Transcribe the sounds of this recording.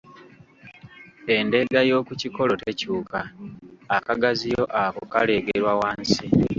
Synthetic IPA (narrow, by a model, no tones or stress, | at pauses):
e̞nde̞ɡajo̞ːkuciko̞lo̞te̞cuːkaː | kaɡazijo̞ʔakokale̞ɡeɾwawaːnsi